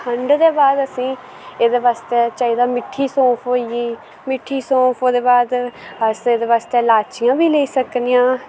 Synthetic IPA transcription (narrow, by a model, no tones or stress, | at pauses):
kʰəɳɖd̪eːbaːd̪əsĩː | eːd̪eːʋaːst̪eːt͡ʃaːiːd̪aːmɪʈʰːiːsɔ̃ːpʰɦoːiiː | mɪʈʰːiːsɔ̃ːpʰɦoːd̪eːbaːd̪əseːd̪eːʋaːst̪eːlaːt͡ʃɪjãːbiːleiːsəknijãː